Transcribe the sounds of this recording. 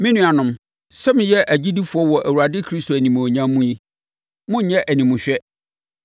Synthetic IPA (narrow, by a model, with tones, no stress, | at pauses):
mɪ̃˦nũ˦a˨nʊ̃˨˦m | sɛ˦mɪ̃˨jɛ˦ʔæ˨d͡ʑi˦di˦fʊ˨ɔ˦wɔ˨ʔæ˨wu˨ɾa˨dɪ˦kʰɾi˦sto˨æ˨nĩ˨m˨o˨ɲã˦mũ˦ji˦ | mʊ̃˦ɲ̩˦ɲɛ˦ʔæ˨nĩ˨mʊ̃˨ɕᶣɛ˦